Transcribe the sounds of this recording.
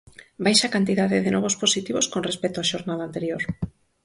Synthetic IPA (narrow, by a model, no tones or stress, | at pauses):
bajʃakant̪iðaðɪðenɔβ̞osposit̪iβoskonrespɛt̪oaʃoɾnaðaːnt̪eɾjoɾ